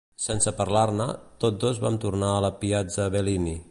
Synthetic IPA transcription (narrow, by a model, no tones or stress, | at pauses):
sɛnsəpəɾlarnət̪ot̪d̪ozβa̰mt̪urnaələpiad͡zəβelini